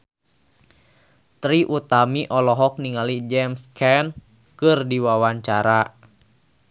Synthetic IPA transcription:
t̪ɾiʔut̪amiʔɔlɔɦɔk̚niŋalid͡ʒɛmskʰɛn | kɨrdiwawaɲt͡ʃaɾa

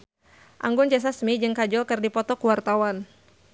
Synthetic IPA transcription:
ʔa̰ŋɡʊnt͡ʃɛs̬asmid͡ʒɨŋkad͡ʒɔlkɨrdipɔt̪ɔkuwart̪awan

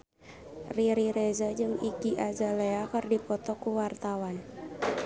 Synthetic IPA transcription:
riɾiɾezəd͡ʒɨŋiɡiʔazaleakɨrdipɔt̪ɔkuwart̪awan

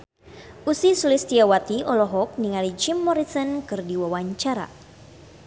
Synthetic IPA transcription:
ʔusisulist̪iawat̪iʔɔlɔɦɔk̚niŋalid͡ʒimːɔɾisɔnkɨrdiwawaɲt͡ʃaɾa̰

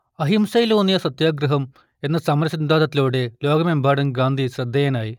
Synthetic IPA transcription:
ɐɦimsɐjloːnijɐsɐt̪jaːɡɾɐɦɐm | e̞nːɐsɐmɐɾɐsind̪ʱaːd̪ɐt̪ːiloːɽeloːɡɐmembʱaːɽɐmɡaːnd̪ʱisɾɐd̪ʱːɐjɐnaːji

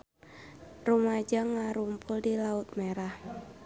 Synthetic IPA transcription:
rumad͡ʒaŋaɾumpʊldilaʊt̪̚meɾah

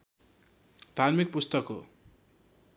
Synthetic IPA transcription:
t̪anmik̚pust̪ʌko̰

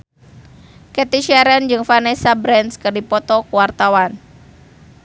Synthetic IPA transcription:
kɛt̪iʃɛɾɛnd͡ʒɨŋfanɛsabɾɛnskɨrdipɔt̪ɔkuwart̪awan

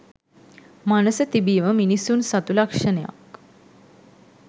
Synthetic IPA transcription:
manəsət̪ibiːʋəminisuːnsat̪ulakʂəneja̰k

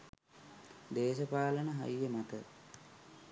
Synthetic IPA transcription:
d̪eːʃəpaːlənəɦa̰ijəmat̪ə

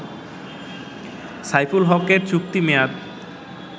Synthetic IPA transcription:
sajfulɦɔkeɾt͡ɕuk̚t̪imead̪

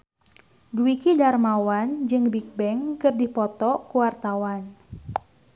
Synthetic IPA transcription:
duwikidarmawand͡ʒɨŋbik̚bɛŋkɨrdipɔt̪ɔkuwart̪awan

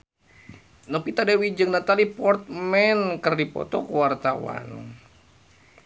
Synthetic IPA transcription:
nɔpit̪adawid͡ʒɨŋnat̪alipɔrt̪̚mɛnkərdipɔ̰t̪ɔkuwart̪awa̰n

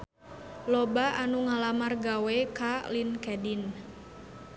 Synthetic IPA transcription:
lobaʔanuŋalamarɡawekalinkɛdin

